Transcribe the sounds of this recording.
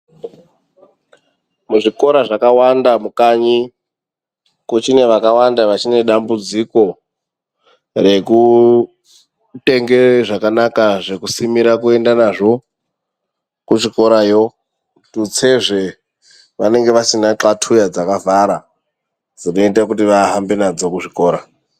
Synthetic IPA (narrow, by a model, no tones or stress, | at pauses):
muʐiko̞ɾaʐakawandamukaɲi | kot͡ʃine̞ʋakawandaʋat͡ʃine̞ɗambud͡ziko̞ | re̞ku | te̞ŋɡe̞ʐakanakaʐe̞kusimiɾakue̞ndanaʐo̞ | kuʐiko̞ɾajo̞ | tut͡seʐe | ʋane̞ŋɡe̞ʋasinaǁatʰujad͡zakavaɾa | d͡zino̞itakutiʋaɦambenad͡zo̞kuʐiko̞ːɾa